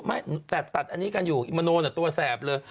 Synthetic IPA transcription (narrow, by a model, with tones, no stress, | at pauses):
ma˦˥˩jt̪ɛː˨˩t̪a˨˩t̪̚ʔa˧nːiː˦˥ka˧njuː˨˩ʔi˧ma˧noː˧na˨˩t̪u˧ɐsɛː˨˩p̚lɤː˧j